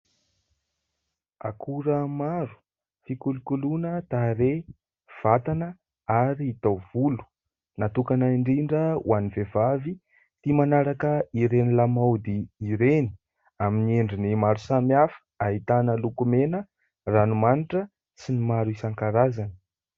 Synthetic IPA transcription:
a̰kʰuɾəmaɾu̥ | fikulukulunət̪aɾe | v̥at̪anə | aɾiːt̪awvulu̥ | nat̪ukanaiɳɖ͡ʐiɳɖ͡ʐəw̰anivevavi | t̪imanaɾakəiɾenilamawd̪iiɾeni̥ | aminieɳɖ͡ʐinimaɾusamiafə̥aɦit̪anəlukumenə | ranumaniʈ͡ʂə | sinimaɾuisaŋkaɾazanə̥

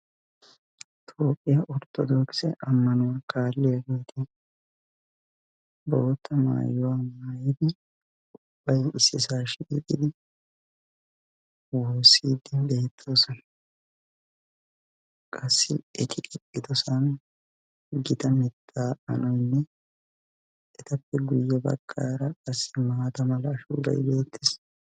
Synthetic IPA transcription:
t̪ʰoːpʼːɪjaʔɔɾt̪ʰʼːɔd̪oːksɛ̰ʔɐmːɐnʊwakaːlːɪjɐɡeːt̪ʰɪ | bɔɔt̪ːɐma̰ːjʊwaːmaːjɪd̪ɪ | ʊb̥ːɐjɪsːɪsaːʃɪḭːt̪ʼːɪd̪ɪ | woːsiːd̪ːɪnbeːt̪ʰːoːsɔn | kʼɐsːɪʔɛt̪ʰɪkʼɛkʼːɪt̪ɔsɐn | ɡɪt̪ɐmɪt̪ʰːaːɐ̰nɔjnːɛ | ɛt̪ɐpːɛɡʊjːɛbɐ̰ɡːaːɾɐkʼɐsːɪmaːt̪ɐmɐlɐːʃṵːd̪ɐ̰j̰leːt̪ʰːɪs

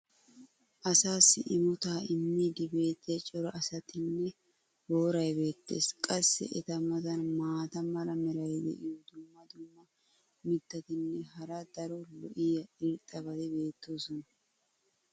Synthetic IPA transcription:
ʔɐsaːsːɪʔɪmʊt̪aːɪmːiːd̪ɪbe̞ːt̪ːɪjɐt͡ʃʼɔɾɐʔɐsɐt̪ɪnːɛ | boːɾɐjbe̞ːt̪ːe̞̰ːskʼɐsːɛ̰ʔɛt̪ɐmɐzɐnmaːt̪ɐmɐlɐmɛɾɐjd̪ɛ̰ʔɪjɔd̪ʊmːɐd̪ʊmːɐ | mɪd̪ːɐt̪ɪnːɛɦɐɾɐd̪ɐɾɔlɔʔɪjɐɪɾt̪ʼːɐbɐd̪ɛbe̞ːt̪ːoːsɔnɐ

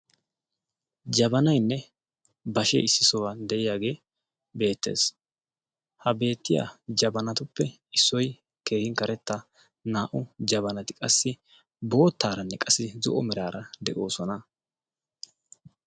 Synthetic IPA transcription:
d͡ʒɐbɐnɐjnːɛ | bɐʃḛːɪsːɪsɔwaːnd̪ɛʔɪjaːɡe̞ː | be̞ːt̪ːe̞̰ːs | hɐbe̞ːt̪ːɪja̰d͡ʒɐbɐnɐt̪ʊpːɛ | ɪsːɔj | ke̞ːhɪŋkɐɾɛt̪ːɐ | naːʔʊd͡ʒɐβɐnɐt̪ɪkʼɐsːɪ | bo̞ːt̪ːaːɾɐnːɛkʼɐsːɪzɔʔɔmɛɾaːɾʔɐd̪ɛʔo̞ːsɔnɐ

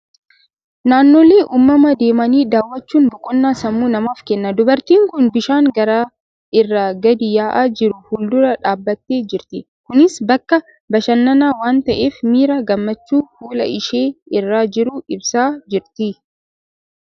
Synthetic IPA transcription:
naːnːoːle̞ːʔuːmːɐmɐd̪e̞ːmɐniːd̪aːwːɐt͡ʃːuːnbʊkʼʊnːaːsɐmːuːnɐmaːfkɛnːɐd̪ʊbɐɾt̪iːŋkʊnbɪʃaːŋɡɐɾaː | ʔɪrːaɡɐd̪ɪjaːʔaːd͡ʒɪɾʊhʊld̪ʊɾɐᶑaːbːɐt̪ːeːd͡ʒɪɾt̪ɪ | kʊnɪsbɐkːɐ | bɐʃɐnːɐnaːwaːnt̪ɐʔe̞ːfmiːɾaːɡɐmːɐt͡ʃːuːfuːlɐ̰ʔɪʃeːɪrːaːd͡ʒɪɾʊɪbsaːd͡ʒɪɾt̪ɪ

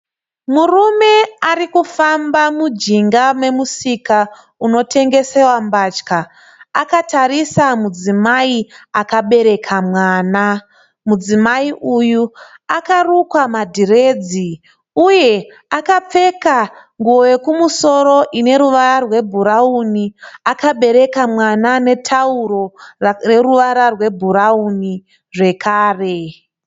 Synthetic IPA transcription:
murume̞arikufambamud͡ʒiŋɡame̞musika | uno̞tʰe̞ŋɡe̞se̞wambat͡ʃka | akataɾisamud͡zimaiakaɓe̞ɾe̞kʰamwaːna | mud͡zimaiʔujuakarukwamadʱire̞d͡zi | uje̞ | akap͡fe̞ka | ŋɡuoje̞kumuso̞ɾo̞ʔine̞ɾuʋaɾarwe̞bʱuɾauniakaɓe̞ɾe̞kamwanane̞tʰauɾo̞re̞ruʋaɾarwe̞bʱuɾauni | ʐe̞kʰaːre̞

